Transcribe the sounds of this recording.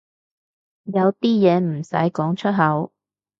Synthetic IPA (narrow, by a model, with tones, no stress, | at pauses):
jɐ˨˧wt̪iː˥jɛː˨˧m̩˨˩sɐ̰˨˥jkɔː˨˥ŋt͡ʃʰɵ˥t̚ɦɐ˨˥w